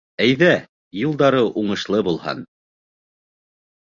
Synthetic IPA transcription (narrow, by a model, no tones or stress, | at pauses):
æjðæ | jŭlˠd̪ɑɾɤʔuɴɤ̆ʃlˠɤbulˠhɑ̰n